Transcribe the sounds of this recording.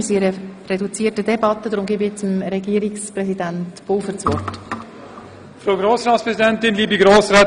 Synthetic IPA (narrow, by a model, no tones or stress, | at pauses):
siɾərɛdut͡siːətədɛbɑt̪ːədɾʊmɡiːbɛt͡səmɾɛɡiːɾɪksprɛsidæntb̥oːfəɾt͡sʋɔ̰rt | fɾoːɡɾoːsɾɑːtspɾɛsidɛnt̪ɪnliːbiɡɾoːsɾaː